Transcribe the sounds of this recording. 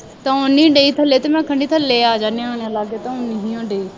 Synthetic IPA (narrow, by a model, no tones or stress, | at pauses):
t̪ãʊnĩːɖeiːt̪ʰɐleːt̪emɛ̃ːkʰəɳɖiːt̪ʰɐleːaːd͡ʒaːneaːɽ̃ãlaːɡeːt̪aʊnĩɦĩːãːɖeiː